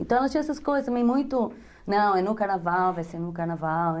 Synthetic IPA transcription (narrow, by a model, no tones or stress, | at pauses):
ẽt̪ɐ̃w̃ɛlɐstt͡ʃĩɛsɐskojzɐst̪ɐmẽj̃mũj̃t̪ʊ | nɐ̃w̃ɛnʊkaɾnavawvajseɾnʊkaɾnavaw